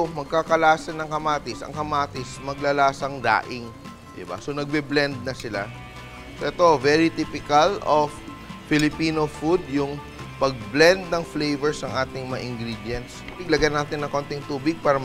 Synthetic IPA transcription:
mɐɡ̚kakɐlaːsɐnɐŋkɐmaːt̪ɪsʔɐ̰ŋkɐmaːt̪ɪsmɐɡlɐlaːsɐŋd̪a̰ːʔɪŋ | d̪ɪ̰ba̰so̞nɐɡ̚bɛblɛnd̪̚nɐsɪla̰ | soʔɛt̪o̞vɛɹɪt̪ipɪkɐlʔofː | ɪlɪpiːnofud̪̚jʊŋ | pɐɡ̚blɛnd̪̚nɐŋflejvɛɹsɐŋʔaːt̪ɪŋmɐŋa̰ʔɪŋɡɾid̪jɛnt̪sbɪɡlɐɡanaːt̪ɪnːɐŋko̞nt̪ɪŋt̪uːbɪɡ̚paːɾɐ

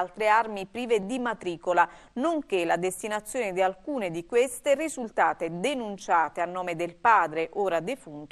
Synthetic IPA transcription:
lt̪ɾearmipɾiːved̪imat̪ɾiːkola | noŋk̟elad̪est̪inat̪sːjoːned̪ialkuːned̪ikwest̪erizult̪aːt̪ed̪enunt͡ʃaːt̪eanːɔːmed̪elpaːd̪ɾeʔoːɾad̪efunt̪

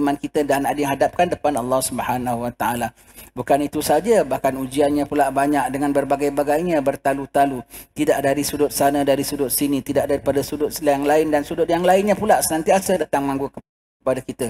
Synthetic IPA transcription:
mankit̪ədanadŋɦadap̚kandəpanɑlːɑhsubəhanahuwat̪aʔala | bukanit̪usad͡ʒabahkanud͡ʒianɲãpulaʔbaɲak̚dəŋãnbərbaɡajbaɡajɲabərt̪alut̪alut̪idaʔdaɾisudʊt̪̚sanədaɾisudʊt̪̚sinit̪idaʔdaɾipadasudʊt̪̚slajaŋlaɪndansudʊt̪̚jaŋlaɪnɲãpulaʔsənãnt̪iasədat̪aŋmãŋɡuk | əpadakit̪ə

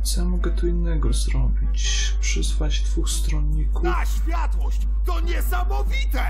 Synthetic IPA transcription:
samɔɡɛt̪ɔinːɛɡɔzɾɔbʲit͡ɕ | pʂɘsfad͡ʑd̪vuxst̪ɾɔnːikuaɕfʲjat̪wɔɕt͡ɕ | t̪ɔɲɛsamɔvʲit̪ɛ

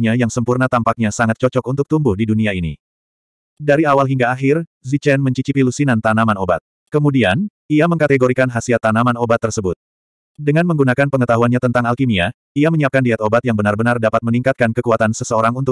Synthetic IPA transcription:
ɲajaŋsəmpurnat̪ampak̚ɲasaŋat̪̚t͡ʃɔt͡ʃɔk̚unt̪ʊk̚t̪umbʊhdiduniainḭ | daɾiawalɦiŋɡaːɦɪrzit͡ʃɛnməɲt͡ʃit͡ʃipilusinant̪anamanoba̰t̪̚ | kəmudian | iaməŋkat̪eɡoɾikanɦasiat̪ːanamanobat̪ːərsəbʊt̪̚ | dəŋanməŋɡunakanpəŋət̪aɦuanɲat̪ənt̪aŋalkimia | iaməɲəap̚kandiat̪obat̪jaŋbənarbənardapat̪̚məniŋkat̪̚kankəkuat̪ansəsəoɾaŋunt̪ʊ

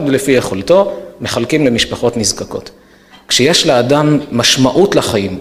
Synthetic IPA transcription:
dlefijeχolto̞me̞χalkimlemiʃpaχo̞tnizkako̞̰t̪ | kʃejeʃleadamːaʃmaʔutlaχajim

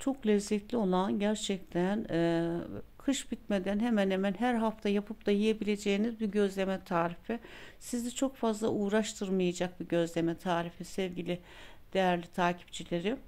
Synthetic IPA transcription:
t͡ʃʰo̞klʲɛzːɛt̪lʲio̞lˠanɟæɾt͡ʃʰɛc̚t̪ʰæn | kʰɯʃbit̪med̪ænɦemænhemænɦæɾɦaft̪ʰajapʰɯpd̪ajije̞bilʲe̞d͡ʒejːinizbuɟø̞zlʲe̞mɛt̪ʰaːɾifisizd̪ɛt͡ʃʰo̞kfazlˠaʔuːɾaʃt̪ʰɯɾmajad͡ʒak̚biɟø̞zlʲe̞mɛt̪ʰaːɾifisɛvɟilʲɪ | d̪̥ejæɾlʲit̪ʰaːcʰi̥p̚t͡ʃʰilʲe̞ɾi

